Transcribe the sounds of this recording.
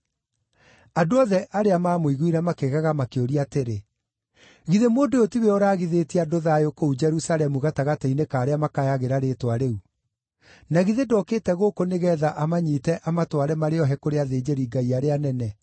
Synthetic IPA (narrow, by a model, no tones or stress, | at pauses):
adoɔðɛʔaɾeamaːmoiɣwiɾɛmakeɣaɣamakeoɾiateɾe | ɣiðemoːdootiweoɾaːɣiðetiadoðaːjokoud͡ʒɛɾusalɛmuɣataɣatainekaːɾeamakajaɣeɾaɾetwaɾeu | naɣiðedɔːkeːtɛɣokoneɣɛːðaʔamaɲiːtɛʔamatwaɾɛmaɾeɔɦɛkoɾeaðeːd͡ʒeɾiɡaiaɾeanɛnɛ